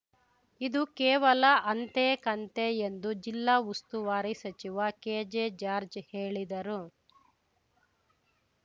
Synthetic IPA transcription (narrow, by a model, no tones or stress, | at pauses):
id̪ukɛːʋɐlɐʔɐnt̪ekɐnt̪eend̪ud͡ʒilːaːust̪uʋaːɾisɐt͡ʃiʋɐkeːd͡ʒed͡ʒaːɾd͡ʒheːɭid̪ɐɾu